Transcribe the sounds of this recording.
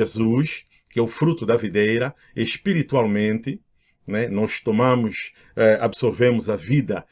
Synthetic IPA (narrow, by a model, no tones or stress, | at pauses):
ezuʃ | kɪɛʊfɾut̪ʊd̪ɐvid̪ejɾɐ | eʃpiɾit̪ualˠmẽnt̪ɪ | nɛnɔʃt̪omãmʊʃ | ɛabsoɾvẽmʊzɐvid̪ɐ